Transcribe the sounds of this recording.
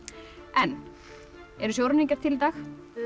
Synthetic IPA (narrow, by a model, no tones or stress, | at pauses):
ɛnː | ɛɾʏsjowɾʏniɲcaɾ̥t̪ʰɪlt̪aːx